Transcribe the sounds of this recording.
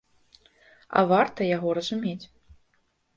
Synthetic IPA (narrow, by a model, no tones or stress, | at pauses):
ɐ̰vart̪ɐjaɣɔɾɐzumʲet͡sʲ